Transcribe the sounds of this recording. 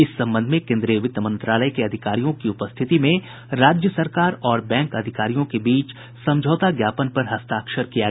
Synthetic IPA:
ɪsːɐ̃mbə̃nd̪ʱmẽkẽːnd̪ɾijəʋɪt̪əmə̃nt̪ɾaːləjkeɐd̪ʱɪkaːɾijõkiʊpəst̪ʰɪt̪imẽ | ɾaːd͡ʒjəsɐɾkaːɾɔːɾbɛ̃ːŋkɐd̪ʱɪkaːɾijõkebiːt͡ʃ | sɐ̃md͡ʒʱɔːt̪aɡjaːpənpɐɾɦɐst̪aːkʃəɾkija

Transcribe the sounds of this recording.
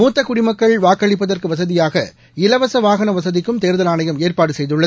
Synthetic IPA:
muːt̪ːɐkʊɽɪmɐkːɐɭʋaːkːɐɭɪpːɐðɐrkɯʋɐsɐðɪjaːɣɐ | ɪlɐʋɐsɐʋaːɣɐnɐʋɐsɐðɪkːɯmt̪eːɾðɐlaːnɐjɐmeːrpaːɽɯsɛjðɯɭːɐ

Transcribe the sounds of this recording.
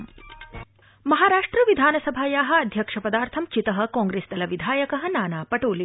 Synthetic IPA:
mɐɦaːɾaːʂʈɾɐʋid̪ʱaːnɐsɐbʱaːjaːɦɐ̆ɐd̪ʱjɐkʂɐpɐd̪aːɾt̪ʰɐmt͡ʃit̪ɐɦɐ̆kɔ̃ːŋɡɾeːst̪ɐlɐʋid̪ʱaːjɐkɐɦɐ̆naːnaːpɐʈoːli

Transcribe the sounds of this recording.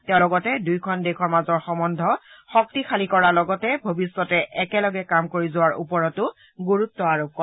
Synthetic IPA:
tɛ̃ʊ̃lɔɡɔtɛdujkʰɔndekʰɔɹmazɔɹxɔmɔndʱɔxɔk̚tixʰalikɔɹalɔɡɔtɛbʱobisːɔtɛʔɛkɛlɔɡɛkamkoɹizʊwaɹṵpɔɹɔtʊ | ɡoɹutːɔaɹukɔ

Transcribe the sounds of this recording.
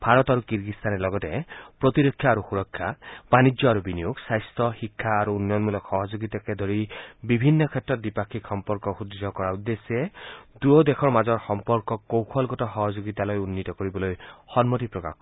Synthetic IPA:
b̥ʱaɹɔt̪aɾukiɹɡist̪ʰanɛlɔɡɔtepɹɔt̪iɾokʰjɔaɾuxuɾɔkʰːjabanid͡ʒɔaɾubinijuɡsajstɔxikʰːaːɾuːnjɔnmulɔkxɔɦɔd͡ʒoɡit̪aked̪ʱɔɹibibʱinːɔkʰɛtɹɔt̪̚dipakʰikxɔmpɔɹkɔxud̪id͡ʒʱɔkɔɹaud̪ːesied̪uɔd̪ekʰɔɹmazɔɹxɔmpɔɹkɔkːowkʰɔlɡɔtɔxɔɦɔd͡ʒoɡit̪alojunːit̪ɔkoɹibɔlojxɔnmɔtipɹɔka̰xkɔ

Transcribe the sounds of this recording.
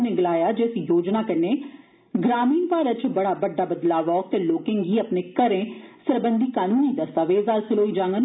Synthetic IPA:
nẽɡəlaːjaːd͡ʒeːsĩːjoːd͡ʒnaːkɪnːeː | ɡɾaːmiːnpaːɾət͡ʃbəɽaːbəɖːaːbəd̪laːʋɔːk̚t̪eːloːkɪ̃ːŋɡiːəpneːkəɾẽːsəɾbənd̪iːkaːnũːniːd̪əst̪aːʋeːzaːlsɪloːiːd͡ʒãːŋɡən

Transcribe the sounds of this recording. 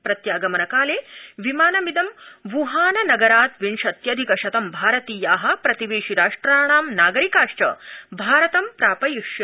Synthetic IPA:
pɾɐt̪jaːɡɐmɐnɐkaːleːʋimaːnɐmid̪ɐmʋuɦaːnɐnɐɡɐɾaːt̪ʋinʂɐt̪jɐd̪ʱikɐʃɐt̪ɐmbʱaːɾɐt̪iːjaːɦɐ̆pɾɐt̪iʋeːʃiɾaːʂʈɾaːɳ̃aːmnaːɡɐɾikaːʂʈɐ̰bʱaːɾɐt̪ɐmpɾaːpɐjiʂjɐ

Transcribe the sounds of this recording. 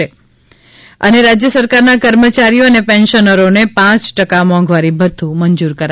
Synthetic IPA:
e | ə̰neɾad͡ʒjəsəɾkaɾnakəɾmət͡ʃaɾijoənepɛ̃nʃənəɾonepãt͡ʃʈəkamɔ̃ŋɡʋaɾibʱəd̪ʰʱuməɲd͡ʒuɾkəɾ

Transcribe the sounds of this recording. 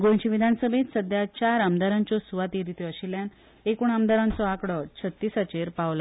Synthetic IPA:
ɡõt͡ɕiʋid̪ʱansəbʱẽt̪səd̪jat͡ɕaɾamd̪aɾaɲt͡ɕɔsuʋat̪iɾit̪iəɕiljan | ekuɳamd̪aɾãnt͡sɔakɽɔt͡ɕʰət̪ːisat͡ɕeɾpaʋla

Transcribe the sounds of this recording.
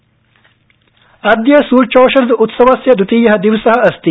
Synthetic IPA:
ɐd̪jɐsuːɾt͡ʃoːʃɐɾd̪ut̪sɐʋɐsjɐd̪ut̪iːjɐɦɐd̪iʋsɐɦɐ̆ɐst̪i

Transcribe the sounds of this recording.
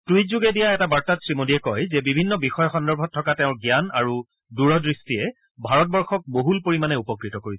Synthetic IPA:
tuitzuɡɛdijaɛtabaɹtatsɹimodiɛkɔjzɛbibʱinːɔbixɔjɔxɔndɔɹbʱɔtʰːɔkateʊ̃ɹɡjanaɹu | duɹɔdɹistiɛ | bʱaɹɔt̚bɔɹxɔk̚boɦulpoɹimanɛupɔkɹitɔkoɹisɛ

